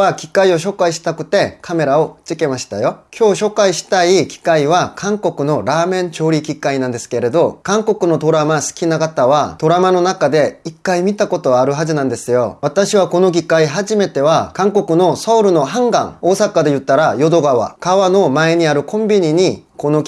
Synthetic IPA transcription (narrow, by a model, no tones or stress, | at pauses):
akʲi̥kaio̞ɕ̬o̞ːkaiɕi̥t̪akɯ̟̥t̪e̞kʰame̞ɾao̞ɯ̥t͡ɕike̞maɕi̥t̪ajo̞kʲʰo̞ːɕo̞kaiɕi̥t̪aikʲi̥kaiβakʰãŋko̞kɯ̟no̞ɾaːmẽ̞ɲ̟t͡ɕo̞ːɾʲikʲikainãnd̪e̞sɨ̥ke̞ɾe̞d̪o̞kãŋko̞kɯ̟no̞t̪o̞ɾamasɨ̥kʲinakat̪aβat̪o̞ɾamano̞nakad̪e̞ikːaimʲit̪ako̞t̪o̞ːɾɯ̟ɦaʑinãnd̪e̞sɨjo̞̰βat̪aɕiβako̞no̞ɡʲikaiɦaʑime̞t̪e̞βakãŋko̞kɯ̟no̞saoɾɯ̟no̞ɦãŋɡã̰ŋo̞ːsakad̪e̞jɯ̟t̪ːaɾajo̞d̪o̞ɡaβa̰kaβano̞mae̞ɲ̟iaɾɯ̟kʰõ̞mbʲiɲ̟iɲ̟iko̞no̞